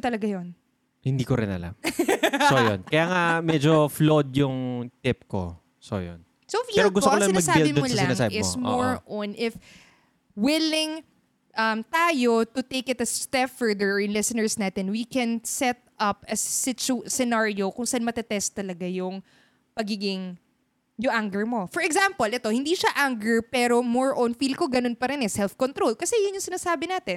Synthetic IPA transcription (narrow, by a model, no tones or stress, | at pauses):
t̪ɐlɐɡajon | hɪnd̪iːkoɾɪ̰nɐ̰la̰msojo̰nkɐjaːŋamɛd͡ʒoflod̪̚jʊŋt̪ɪp̚ko̰ | so̰jo̰n | sofɛːɾoɡʊst̪olɐɪnmɐɡ̚sabɪldbɪmoonlɐasɪnɐŋabɪɪsmoɹonʔɪf | wɪlɪŋ | ʔɐmt̪aːjot̪ʊt̪ekɪt̪ɐst̪ɛfɛɹd̪ɛɹɪnlɪsɪnɛɹsnaːt̪ɛnwikɛnsɛt̪̚ʔɐp̚ʔɐsːɪt͡ʃʊsɛnaɹjokʊŋsɐʔanmɐt̪ɛt̪ɛst̪ːɐlɐɡajʊŋ | pɐɡiːɡɪŋ | jʊŋʔaŋɡɛɹmo̞fɔɹɛɡsãmpolʔɛt̪o̞hɪnd̪iːʃaʔaŋɡɛɹpɛːɾo̞moɹʔonfilkoɡɐno̞npɐɾɪnɛsɛlθkont̪ɾolkɐsɛjʊnjʊŋsɪnaːsaːbɪnaːt̪ɛn